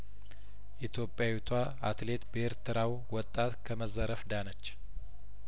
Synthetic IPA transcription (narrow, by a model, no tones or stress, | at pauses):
ʔit̪ʰjo̞pʼːjawut̪ʰwa | at̪le̞t̪bəeɾt̪ʰɨɾaw | wɔt̪ʼːat̪kʰəməzəɾəfd̪anət͡ʃː